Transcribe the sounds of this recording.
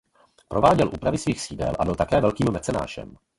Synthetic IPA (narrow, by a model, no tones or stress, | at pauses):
pɾo̞vaːɟɛlʔuːpɾavɪsviːxsiːdɛ̰lʔabɪlt̪akɛːvɛlkiːmvɛt͡sɛna̰ːʒɛ̰m